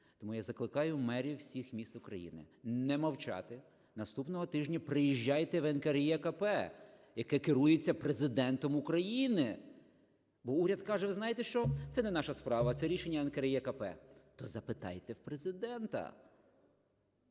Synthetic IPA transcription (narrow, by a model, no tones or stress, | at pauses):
t̪ɔmujazɐklˠɪkɑjʊmɛɾʲiwsʲixmʲist̪ʊkɾɐjḭnɪ̰nɛmɐwt͡ʃɑ̰t̪ɪ | nɐst̪upnɔɦɔt̪ɪʒnʲɐpɾɪjiʒʲːɑjt̪ɛʋɛnkeɾijɛkɐpɛjɐkɛkɪɾujet͡sʲːɐpɾezɪd̪ɛnt̪ɔmukɾɐjinɪ | bɔuɾʲɐd̪kɑʒɛʋɪznɑjet̪ɛʃt͡ʃɔt̪sɛnɛnɑʃɐspɾɑʋɐt̪sɛɾʲiʃenʲːɐɛnkɐɾijɛkɐpɛ̰t̪ɔzɐpɪt̪ɑ̰jt̪ɛwpɾezɪd̪ɛnt̪ɐ̰